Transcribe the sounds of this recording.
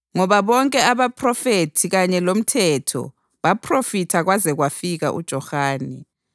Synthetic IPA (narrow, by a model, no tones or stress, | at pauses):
ŋɔβaβɔŋkʼɛaβapʰʼrɔfetʰiɣaɲɛlom̩tʰɛtʰɔ̰ | βapʰrofitʰaɣwazɛɣwafiɣa̰ʔṵd̥ʒ̥ʱɔxaːnḭ